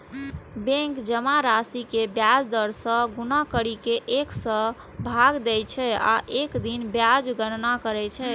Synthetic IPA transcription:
bẽŋkd͡ʒəmaɾasikebjad͡ʒd̪əɾsə̃ɡunakəɽikeʔeksə̃ | bʱaɡd̪ɛjt͡ʃʰɛa̰ʔekd̪inbjad͡ʒɡənnakəɾɛt͡ʃʰɛ

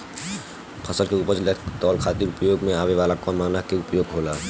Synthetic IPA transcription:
pʰəsəlkeupəd͡ʒlet̪ɔlkʰaːt̪iɾʊpəjoɡmẽaːbeʋaːlakɔnmaːnakeupjoɡɦoːla

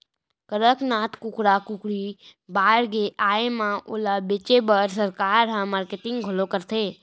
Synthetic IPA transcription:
kəɾəknaːt̪kʊkɾakʊkɾibaːɾɡeʔaːemãʔʊlabet͡ʃebəɾsəɾkaːɾɦãmaːɾkeʈɪ̃ŋɡɡʱʊlokəɾt̪ʰeː

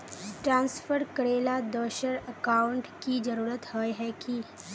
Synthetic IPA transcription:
ʈɾãːnsfʰəɾkəɽeːlad̪ɔːʃəɾɐkaːwʊ̃ɳʈkid͡ʒɐɾuːɾət̪hɔjɦɛki

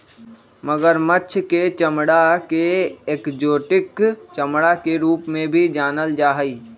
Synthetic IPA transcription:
məɡəɾmətːʃʰket͡ʃəmɽakeeːkd͡ʒoːʈɪkt͡ʃəmɽakeɾuːpmẽbʱid͡ʒaːnəld͡ʒaːɦəiː

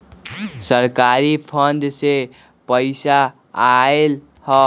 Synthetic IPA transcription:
səɾkaɾipʰənd̪se | pəɪsa | ael | hɔ

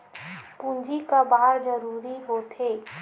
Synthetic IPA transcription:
pũnd͡ʒikabaːɾd͡ʒəɾuːɾiɦot̪ʰeː

